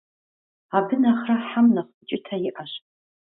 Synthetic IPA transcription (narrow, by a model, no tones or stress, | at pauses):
abɨnaχraħamnaχʷt͡ʃʼɪtʰaiʔaʃʼ